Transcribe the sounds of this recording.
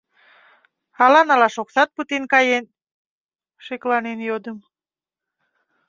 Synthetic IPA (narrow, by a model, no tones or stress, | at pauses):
ɑlɑnɑlɑʃoksɑt̪̚put̪enkɑjen | ʃeklɑnenjod̪əm